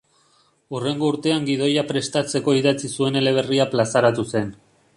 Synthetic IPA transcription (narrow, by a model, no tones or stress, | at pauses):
ure̞ŋɡo̞uɾt̪e̞aŋɡiðo̞japɾe̞st̪at͡se̞ko̞iðat͡sisue̞ne̞le̞β̞e̞riaplasaɾat̪use̞n